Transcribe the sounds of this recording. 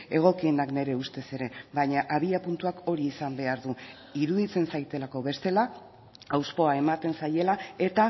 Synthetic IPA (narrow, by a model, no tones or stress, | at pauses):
e̞ɣ̞o̞kienakne̞ɾe̞ust̪e̞se̞ɾe̞βajɲaʔaβ̞iapunt̪uako̞ɾiːsambe̞aɾðu | iɾuðit͡se̞nsajt̪e̞lako̞βe̞st̪e̞la | awspo̞ae̞mat̪e̞nsaje̞lae̞t̪a